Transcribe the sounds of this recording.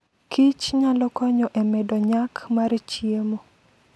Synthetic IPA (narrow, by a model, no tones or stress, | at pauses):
kʰit͡ʃɲalɔkɔɲɔʔemɛdɔɲakʰmaɾt͡ʃjiemo